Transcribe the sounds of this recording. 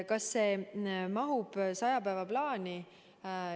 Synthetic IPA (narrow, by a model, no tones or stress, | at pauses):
kɑsːe̞ːmɑɦub̥sɑjɑpæevɑplɑːnʲi